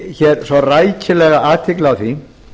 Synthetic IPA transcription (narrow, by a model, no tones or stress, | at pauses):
çɛɾsɔrajcɪlɛɣaʔaːt̪ʰɪklɪawθi